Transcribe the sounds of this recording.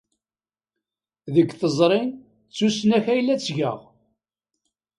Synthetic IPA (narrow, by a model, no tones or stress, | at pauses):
ðəɡʷθəzˤɾˤɪn | t͡sːusnæçæjlːæt͡sːʝə̰ʁ